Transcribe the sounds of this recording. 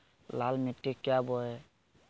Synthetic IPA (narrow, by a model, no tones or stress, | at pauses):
lalmitːikːɛjabɔɛ